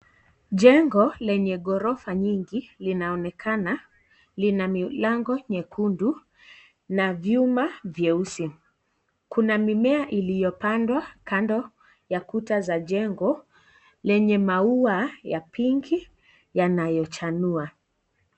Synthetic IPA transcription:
ʄɛŋɡɔlɛɲɛɠɔɾɔfaɲiŋɡilinaɔnɛkʰana | linamilaŋɡɔɲɛkʰundu | navjumavjɛusi | kunamimɛaʔilijɔpandwakandɔ | jakutazaʄɛŋɡɔ | lɛɲɛmauajapiŋɡi | janajɔt͡ʃanua

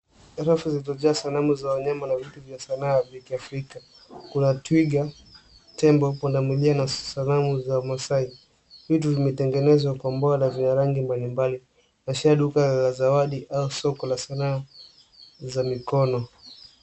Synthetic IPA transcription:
ɾafuzilitɔʄɛasanamuzawaɲamanavituvjasanaːvikiafɾika | kunatwiɡa | tɛmbɔpɔndamilianasanamuzaumasai | vituvimɛtɛŋɡɛnɛzwakwambɔanavinaɾaŋɡimbalimbali | naʃaaɗukalazawaɗiʔausɔkɔlasanaː | zamikɔnɔ

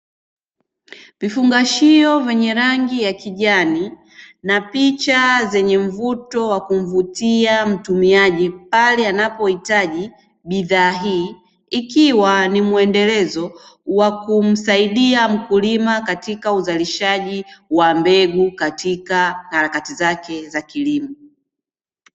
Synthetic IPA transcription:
vifuŋɡaʃiɔvɛɲɛɾaŋɡijakiʄani | napit͡ʃazɛɲɛm̩vutɔwakum̩vutiam̩tumiaʄipalɛanapɔhitaʄi | ɓiðaːɦiː | kiwanimuɛndɛlɛzɔwakum̩saiɗiam̩kulimakatikauzaliʃaʄiwambɛɡukatikahaɾakatizakɛzakilimɔ

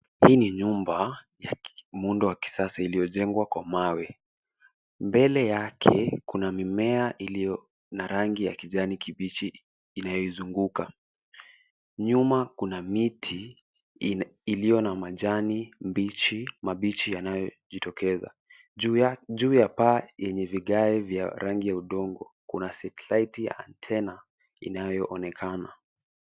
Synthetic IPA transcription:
hiːniɲumba | jamundɔwaki̥sasailijɔʄɛŋɡwakwamawɛ | mbɛlɛjakʰɛ̰kunamimɛaʔilijɔ | naɾaŋɡija̰kiʄanikiɓit͡ʃiː | najɔizuŋɡuka̰ | ɲumakunamitʰi | ilijɔnamaʄanimbit͡ʃimaɓit͡ʃijanajɔ | ʄitɔkʰɛza̰ | ʄuːjapajɛɲɛviɠaɛvja̰ɾaŋɡijauɗɔŋɡɔkunasɛtɛlaitija̰ːntʰɛna | ḭnajɔʔɔnɛkʰana

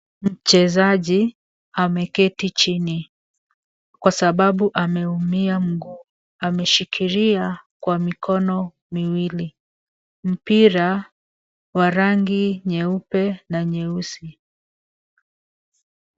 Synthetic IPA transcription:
m̩t͡ʃɛzaʄi | amɛkɛtit͡ʃini | kwasaɓaɓuʔamɛumiam̩ɡu | amɛʃikʰiɾiakwamikʰɔnɔ | miwili | m̩piɾa | waɾaŋɡiɲɛupɛnaɲɛusi

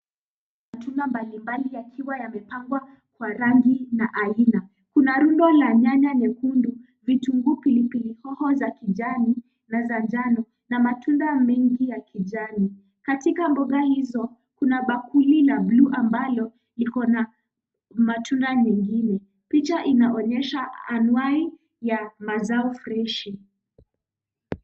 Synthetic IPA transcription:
atundambalimbalijakʰiwajamɛpaŋɡwa | kwaɾaŋɡinaʔaina | kunaɾundɔlaɲaɲanɛkundu | vituŋɡupilipilihɔhɔzakid͡ʒani | nazand͡ʒanɔ | namatʰundamɛŋɡijakʰid͡ʒani | katikambɔɡahizɔ | kunaɓakulilabluʔambalɔ | likɔna | matʰundaɲɛŋɡinɛ | pit͡ʃaʔinaʔɔɲɛʃaanwai | jamazaɔfɾɛʃi

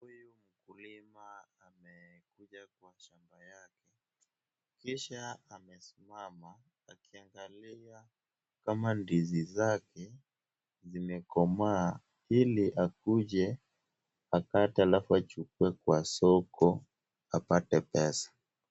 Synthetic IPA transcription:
hujum̩kulimaːmɛkuʄakwaʃambajakɛ | kiʃaamɛsimamaː | kiaŋɡalia | kamandizizakɛ | zimɛkɔma | iliʔakuʄɛ | akatɛalafuat͡ʃukuɛkwasɔkɔ | apatɛpɛsḁ

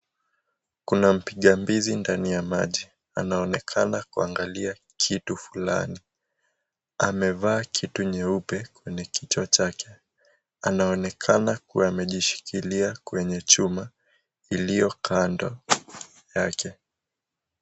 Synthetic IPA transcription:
kunam̩piɠambizindanijama̰ʄi | anaɔnɛkʰanakuaŋɡalia | kʰitufula̰ni | amɛvaːkʰituɲɛupɛkwɛɲɛkʰit͡ʃat͡ʃakʰɛ̥ | anaɔnɛkʰanakuwaːmɛʄiʃi̥kʰiliakwɛɲɛt͡ʃuma | ilijɔkʰandɔ | jakʰɛ

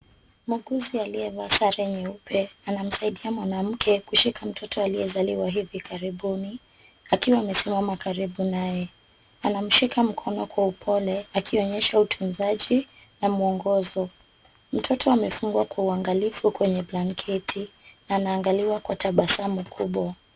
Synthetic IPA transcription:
muɡuzialiɛvasaɾɛɲɛupʰɛanam̩saiɗiamwanam̩kʰɛkuʃikʰam̩tʰɔtɔaliɛzaliwaɦivikaɾiɓuni | akiwaːmɛsimamakaɾiɓunajɛ | anam̩ʃikam̩kʰɔnɔkwaupʰɔlɛakʰiɔɲɛʃautʰunzaʄi | namuɔŋɡɔzɔ | m̩tʰɔtʰɔamɛfuŋɡwakwauaŋɡalifukwɛɲɛblaŋkʰɛtʰinaːnaːŋɡaliwakwataɓasamukʰuɓwa

